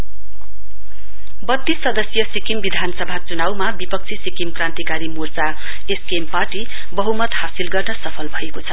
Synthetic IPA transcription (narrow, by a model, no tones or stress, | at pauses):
bʌt̪ːissʌd̪ʌsjʌsikimbid̪ʱanʌsʌbʱat͡sunawmabipʌk̚t͡sʰisikimkrãnt̪ikaɾimurt͡sa | eskempaʈi | bʌɦumʌt̪hasilɡʌrnʌsʌpʰʌlbʱʌekot͡sʰʌ